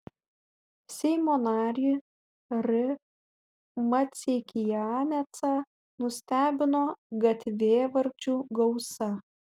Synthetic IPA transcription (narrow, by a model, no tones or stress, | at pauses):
sʲɛɪmoːnɑːɾʲi | ɾʲɪ | mɐt̪sʲekʲɪjɑːnʲɛt̪sɐ | nʊsʲt̪ʲæːbʲɪnoːɡɐt̪ʲʋʲeːʋɐɾʲt͡ʃʲuːɡɐʊsɐ